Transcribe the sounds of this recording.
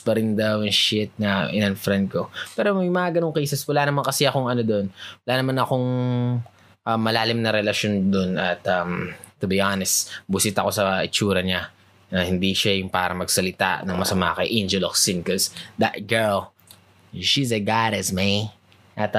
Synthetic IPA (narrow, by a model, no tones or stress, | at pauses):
pɐɾɪnd̪ɐwjʊŋʃɪt̪̚nɐʔɪ̰nɐnfɾɛnd̪̚kopɛːɾomɐjmɐŋaːɡɐnoŋkesɛswɐlaːnɐmaŋkɐsɛɐkoŋɐnod̪onwɐlaːnɐmanɐkoŋ | ʔɐmːɐlaːlɪmnɐɾɛlɐʃo̞nd̪onɐt̪ɐmt̪ːʊbiʔanɛst̪bʊsɪt̪ɐko̞sɐɪt͡ʃuːɾɐɲa | nɐhɪnd̪iʃajʊŋpa̰ːɾɐ̰ŋmɐɡsɐlɪt̪a̰ʔnɐŋmɐsɐma̰kɐjʔend͡ʒɛloksɪnkosd̪ɐt̪̚ɡɛɹl | ʃizɐɡadɐsmi | ʔɐt̪